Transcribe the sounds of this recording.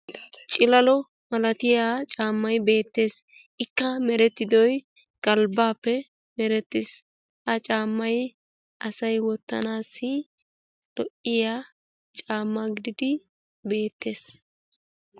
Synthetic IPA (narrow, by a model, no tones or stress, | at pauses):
t͡ʃʼɪlɐlɔ | mɐlɐt̪ɪjaːt͡ʃʼaːmːɐjbe̞ːt̪ːe̞ːs | ʔɪkːɐmɛɾɛt̪ːɪd̪ɔj | ɡ̥ɐlbaːpːɛ | mɛɾɛt̪ːɪs | ʔɐt͡ʃʼaːmːɐj | ʔɐsɐjwɔt̪ːɐ̰naːsːɪ | lɔʔɪja | t͡ʃʼaːmːaɡɪd̪ɪd̪ɪ | be̞ːt̪ːe̞ːs